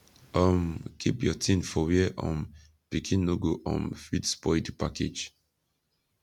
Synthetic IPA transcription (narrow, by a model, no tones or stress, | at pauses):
ɔmkʰipjɔtʰĩnfɔwɛʔɔ̰̃n | pikʰĩnːoɡoʔɔ̰̃nfidspɔdipakʰḛd͡ʒ